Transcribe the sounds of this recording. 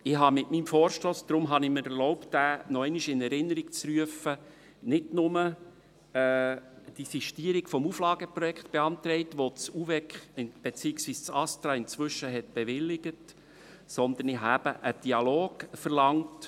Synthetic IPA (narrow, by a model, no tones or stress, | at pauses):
ɪɦɑmɪtmiːmfɔːɾʃtoːsd̥̪ɾʊmɦɑnɪmɪɾɛlɔʊptdæːnɔɛɪniʃɪnɛɾɪnːəɾik̚t͡sryəfə | nɪdnʊmə | ɛːd̥isiʃtiəɾiɡfɔmuflɑːɡ̥əpɾɔjɛkχt̪b̥eɑnt̪ɾɛɪtʋot͡suvɛkχɪnb̥ɛt͡siːəksʋiːst͡sɑstɾɑːɪnt͡sʋʏʃəɦɛt̚b̥eɛʋɪlːɪɡ̥ət | sɔnd̪ənɪɦɑæb̥əʔəd̥iɑloːɡ̥fəɾlɑŋt